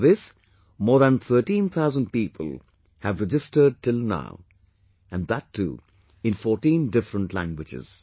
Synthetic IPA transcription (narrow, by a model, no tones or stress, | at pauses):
ðɪs | mɔːɾðə̃nt̪ʰəːʈĩnt̪ʰaʊzə̃nɖ̚piːpʰə̰lˠ | hævɾɛd͡ʒɪstəɖ̚ʈɪlna̰ʊ | æ̃nd̪ætʰːṵː | ɪ̃nfɔːʈĩnɖɪfɾə̃nʈlæ̰̃ŋɡwɪd͡ʒɪ̰z̥